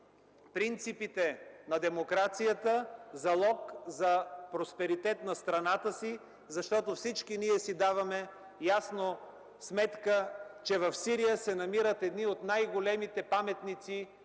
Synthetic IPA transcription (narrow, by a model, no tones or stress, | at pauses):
pɾint̪sipit̪ɛnɐd̪ɛmokɾat̪sijət̪əzɐlˠɔkzɐpɾospɛɾit̪ɛt̪nɐst̪ɾɐnat̪əsi | zɐʃt̪ɔt̪ofsit͡ʃkiniɛsid̪avɐmɛ | jasno | smɛt̪kət͡ʃɛvɐfsiɾijəsɛnɐmiɾət̪ɛd̪niot̪najɡolɛmit̪ɛpamɛt̪nit̪si